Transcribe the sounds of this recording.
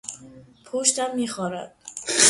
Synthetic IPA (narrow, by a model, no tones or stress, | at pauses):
pʰoʃt̪æmːiːxɒːɾæ̰d̪̥